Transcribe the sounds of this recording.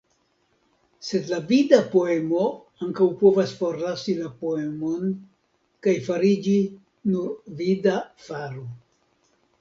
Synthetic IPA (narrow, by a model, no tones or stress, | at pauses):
se̞dlavidapo̞e̞mo̞ | aŋkawpo̞vasfo̞ɾlasilapo̞e̞mo̞n | kajfaɾid͡ʒi | nuɾvidafaɾo